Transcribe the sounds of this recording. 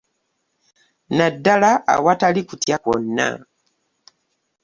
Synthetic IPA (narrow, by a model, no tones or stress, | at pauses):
nadːala̰ːwatalikutjakonːa̰